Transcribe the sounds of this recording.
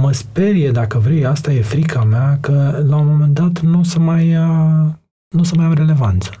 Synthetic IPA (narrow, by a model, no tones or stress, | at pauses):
məspe̞rjed̪akəvɾejast̪aje̞fɾikʰameakəlaomome̞nd̪at̪nusəmaj | nusəmajawɾe̞le̞vant̪sə̥